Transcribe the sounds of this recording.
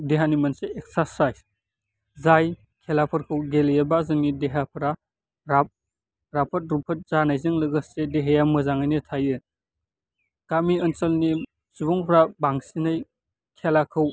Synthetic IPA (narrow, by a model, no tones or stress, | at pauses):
deɦanimɐnseek̚sasajz | zaj | kʰelapʰɐɾkʰɯwɡeljabazɯŋideɦapʰɾa | ɾap̚ | ɾapʰɐt̚ɾupʰɐt̚zanajzɯŋlɯɡɯsedeɦejamɯzaŋajnɯtʰajɯ | ɡ̥amiɐnt͡ʃɐlni | subɔŋpʰɾabaŋsinaj | kʰelakʰɯw